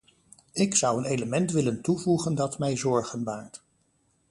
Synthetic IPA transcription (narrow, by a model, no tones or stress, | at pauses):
ɪksʌwənejləmɛntʋɪləntuvuχəndɑtmɛjzɔɹχənʋaːk̚t